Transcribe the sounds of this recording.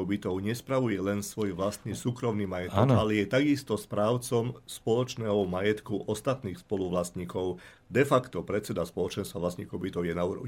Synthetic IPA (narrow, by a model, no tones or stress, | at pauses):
ʊbit̪ɔʊɲɛspɾaʋujɛlɛnsʋɔjʋlast̪nisuːkɾɔmnimajɛt̪ɔkalɛjɛt̪aɡist̪ɔspɾaːʊt͡sɔmspɔlɔt͡ʃnɛːɦɔmajɛt̪kuʔɔst̪at̪niːxspɔluʋlast̪ɲiːkɔʊ | d̪ɛfakt̪ɔpɾɛt̪t͡sɛd̪aspɔlɔt͡ʃɛnst̪ʋaʋlast̪ɲiːkɔʊbit̪ɔʊjɛnauːɾɔ̰